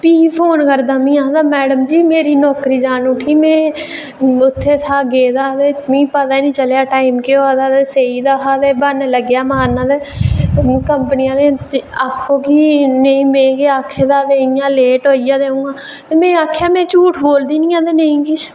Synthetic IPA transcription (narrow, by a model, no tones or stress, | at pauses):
piːpʰoːnkəɾd̪aːmĩːãd̪aːmɛːɽəmd͡ʒiːmeːɾiːnɔːkɾiːd͡ʒaːnʊʈʰiːmɛ̃ː | ʊt̪ʰːeːsʰaːɡeːd̪aːt̪eːmĩːpət̪aːiːnĩːt͡ʃəlːaːʈaːɪmkeoːaːd̪aːt̪eːseːiːd̪aːkaːt̪eːbənləɡjaːmaaːnãːd̪eː | kəmpənɪjãːd̪eːakʰːoːkiːneĩːmẽːkeaːkʰːeːd̪aːd̪eːĩjãːleːʈoːijaːd̪eːũːɡaː | eːmẽːaːkʰejaːmɛ̃ːt͡ʃuːʈʰboːld̪iːnĩːãːt̪eːneĩːkɪt͡ʃʰ